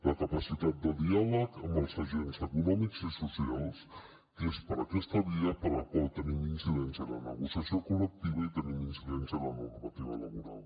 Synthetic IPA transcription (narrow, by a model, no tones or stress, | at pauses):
ləkəpəsit̪at̪̚d̪əðialəkəmbəlˠzəʒenzəkunɔmikzisusialˠs | kespəɾəkɛst̪əβiəpəɾləkwalˠt̪əniminsiðɛnsjənənəɣusəsiokulək̚t̪iβ̞əit̪əniminsiðɛnsiələnurmət̪iβələβuɾa̰lˠ